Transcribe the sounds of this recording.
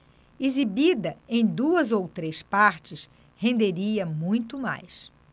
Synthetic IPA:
izibid̪ɐẽj̃d̪uɐzowt̪ɾespaɾt͡ʃɪs | hẽnd̪eɾiɐmũj̃t̪ʊma̰js

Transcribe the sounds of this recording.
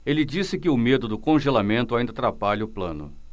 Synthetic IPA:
elɪd͡ʒisɪkɪʊmed̪ʊd̪ʊkõʒelamẽnt̪ʊaĩd̪ɐt̪ɾapaʎɐʊplɐ̰̃nʊ̰

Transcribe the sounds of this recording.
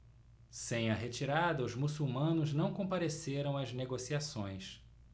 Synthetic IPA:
sẽj̃ɐɦet͡ʃiɾad̪ɐʊzmusuwmɐ̃nʊznɐ̃w̃kõpaɾeseɾɐ̃w̃ɐzneɡosiasõj̃s

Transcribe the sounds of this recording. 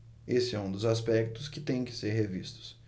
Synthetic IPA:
esɪɛũd̪ʊzaspɛk̚t̪ʊskɪt̪ẽj̃kɪ̥seɾɦevist̪ʊ̥s

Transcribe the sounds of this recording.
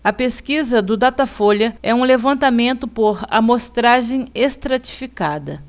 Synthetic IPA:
ɐpeskizɐd̪ʊd̪at̪afoʎɐɛũlevɐ̃nt̪amẽnt̪ʊpoɾɐ̰most̪ɾaʒẽj̃est̪ɾat͡ʃi̥fikad̪ɐ

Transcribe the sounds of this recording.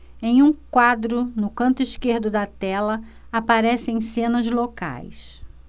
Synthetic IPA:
ẽj̃ũkwad̪ɾʊnʊkɐ̃nt̪ʊiʃkeɾd̪ʊd̪ɐt̪ɛlɐ | apaɾɛsẽj̃sẽnɐzloka̰js

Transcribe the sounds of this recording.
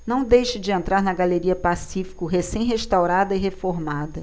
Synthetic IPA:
nɐ̃w̃d̪ejʃɪd͡ʒɪẽnt̪ɾaɾnɐɡaleɾiɐpasifi̥kʊɦesẽj̃ɦeʃt̪awɾad̪ɐɪɦefoɾmad̪ɐ

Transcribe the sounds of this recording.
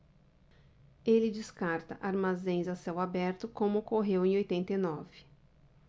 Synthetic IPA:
elɪd͡ʒɪskaɾt̪ɐʔaɾmazẽj̃zasɛwabɛɾt̪ʊkõmʊokoɦewẽj̃ojt̪ẽnt̪ejnɔvɪ̥

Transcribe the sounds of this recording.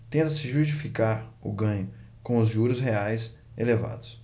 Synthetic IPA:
t̪ẽnt̪ɐsɪʒuʃt͡ʃifikaɾʊ̰ɡɐ̃ɲʊ | kõw̃ʊzʒuɾʊsɦeajs | eleva̰d̪ʊs

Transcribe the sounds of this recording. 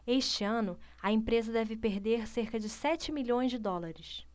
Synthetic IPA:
eʃt͡ʃɪɐ̃nʊɐẽpɾezɐd̪ɛvɪpeɾd̪eɾseɾkɐd͡ʒɪsɛt͡ʃɪmiʎõj̃zd͡ʒɪd̪ɔlaɾɪs

